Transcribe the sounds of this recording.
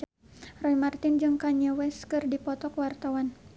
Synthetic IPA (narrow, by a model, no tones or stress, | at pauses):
rɔimart̪ɪnd͡ʒɨŋkaɲəwɛskɨrdipɔt̪ɔkwart̪awan